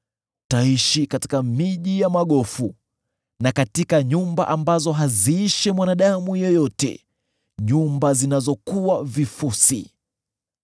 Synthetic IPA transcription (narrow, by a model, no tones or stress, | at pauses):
taiʃikati̥kamiʄijamaɠɔfu | nakatikaɲumba̰ʔambazɔɦaziiʃɛmwanaɗamujɔjɔtɛ̰ | ɲumbazinazɔkuwavifusḭ